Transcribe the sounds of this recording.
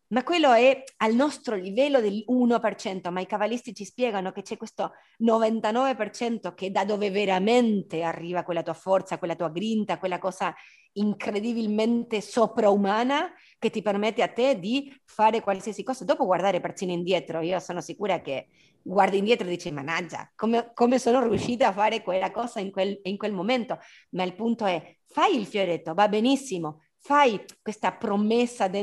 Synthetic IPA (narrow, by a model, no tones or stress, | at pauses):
makːwelːoɛalnɔst̪ɾolivɛlːod̪elunopert͡ʃɛnt̪omaikavalist̪it͡ʃispjɛːɡanoket͡ʃɛkwest̪o | novant̪anɔːvepert͡ʃɛnt̪oked̪ad̪oːveveɾament̪earːiːvakwelːat̪uːafɔrt̪sakwelːat̪uːaɡɾint̪akwelːakɔːza | iŋkɾed̪ibilment̪esopɾaumaːna | ket̪ːipermet̪ːeat̪ːed̪ifaːɾekwalsiasikɔːzad̪ɔːpoɡwaɾd̪aːɾepert̪ːiːnoind̪jɛːt̪ɾoiːosoːnosikuːɾake | ɡward̪ind̪jɛːt̪ɾod̪it͡ʃimanad͡ʒːa̰komekomesoːnorjuʃːiːt̪aafːaːɾekwelːakɔːzaiŋkweliŋkwelmoment̪o | mailpunt̪oɛ | fajilfjoɾet̪ːovabenisːimo | fajkwest̪apɾomesːad̪e